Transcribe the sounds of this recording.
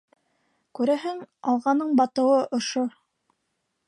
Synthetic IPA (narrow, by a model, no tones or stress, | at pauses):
kʉɾæɦɘŋɑlˠʁɑnɤɴbɑt̪ɤ̆wɤʔŏʃo